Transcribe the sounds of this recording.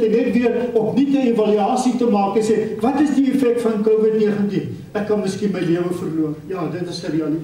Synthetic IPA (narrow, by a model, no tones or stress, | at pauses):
tənɛtviərɔpnitəevɐlyɑːsitəmɑːkəsɛvɐtəsdiefɛk̚tfɐnkowvədniəχəntin | ækːɐnməskinməjliəvəfərluərjɑːdətəsəɾiɐli